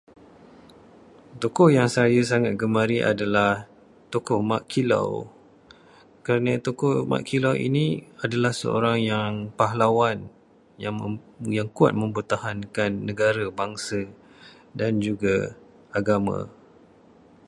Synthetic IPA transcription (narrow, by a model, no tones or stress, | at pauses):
t̪okɔhjaŋsajəs̬aŋat̪̚ɡəmaɾiʔa̰dalah | t̪okɔhmaʔkʰila̰w | kəɾanat̪okɔhma̰ʔkʰilawʔḭniadalahsə̰o̰ɾaŋjaŋpaɦlawan | jajaŋkua̰t̪̚mə̃mpərt̪ahankanːəɡaɾabaŋsa | dand͡ʒuɡa | aɡamã̰